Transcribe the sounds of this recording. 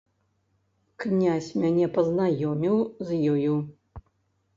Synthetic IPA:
knʲasʲmʲanʲɛpɐznajɔmʲiwzjɔju

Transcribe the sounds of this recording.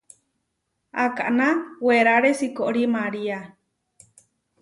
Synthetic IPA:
akaʔnaweɾaɾesikoʔɾimaɾia

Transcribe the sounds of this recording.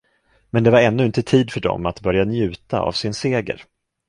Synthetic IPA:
mɛnd̪ɛvaɾɛnːɵɪnt̪ət̪ʰiːd̪fœɖɔ̰mat̪bœɾjanjʉ̟ːt̪a̰a̰vsɪnseːɡə̰ɾ

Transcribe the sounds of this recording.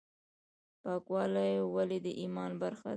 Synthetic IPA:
pɑkwɑlajowaled̪əʔimɑnbaɾxa̰

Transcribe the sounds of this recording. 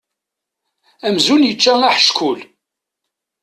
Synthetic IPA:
æmzunjət͡ʃːæŋaħə̥ʃkʰʊl

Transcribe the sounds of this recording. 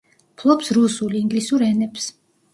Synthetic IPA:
pʰlˠɔpsɾusuliiŋɡlisuɾɛnɛps

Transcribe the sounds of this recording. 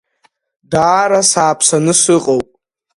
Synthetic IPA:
daːɾasaːpʰsanɨsɨqʼowpʼ

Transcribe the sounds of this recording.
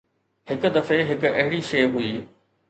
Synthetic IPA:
hɪkʊd̪ɐfeɦɪkɐɦɪɽiʃeːɦuiː

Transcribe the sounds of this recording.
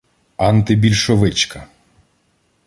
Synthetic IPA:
ɑnt̪ɪbʲilʲʃɔʋɪt͡ʃkɐ

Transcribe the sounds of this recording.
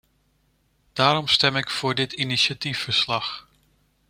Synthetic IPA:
d̥aːɾɔmstɛmɪkfʊːɹdɪtʰiniʃjatifəɹslɑx

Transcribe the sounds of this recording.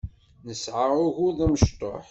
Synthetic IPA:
nəsʕaʊʝʊðˤæməʃt̪ˤo̰ħ

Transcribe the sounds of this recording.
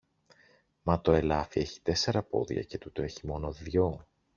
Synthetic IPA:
mɐt̪o̞e̞lɐfie̞çi̥t̪e̞se̞ɾɐpo̞̰ðʝɐ̰ce̞t̪ut̪o̞e̞çimo̞no̞ðʝo̞

